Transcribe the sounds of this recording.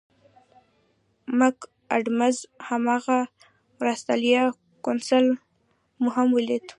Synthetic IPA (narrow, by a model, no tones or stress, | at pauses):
mʊk | a̰ɖmazhamɑɣa | mɾast̪aljɑ | konsal | muɦamwəlid̪